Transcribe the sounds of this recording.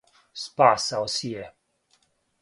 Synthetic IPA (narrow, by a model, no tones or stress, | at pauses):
spasawsie